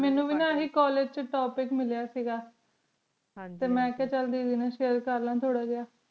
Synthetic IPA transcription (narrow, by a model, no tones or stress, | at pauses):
mɛːnũːʋiːnãːɦiːkɔːleːd͡ʒt͡ʃəʈɔːpɪkmɪljaːsiːɡaː | t̪eːmɛ̃ːkɛːt͡ʃəld̪iːd̪inãːʃeːəɾkəɾlãːt̪ʰoːɽaːɡɪjaː